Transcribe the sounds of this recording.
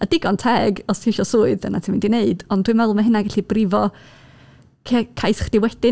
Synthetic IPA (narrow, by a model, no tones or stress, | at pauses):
adɪɡɔntʰɛːɡɔstʰiʃɔsuːɨðə̰natʰɪmindineɨdɔnd̥wɨmvɛlˠməɦənaɡaɬibrɪvɔ | kʰɛkʰajsχd̥ɪwɛd̥ɪ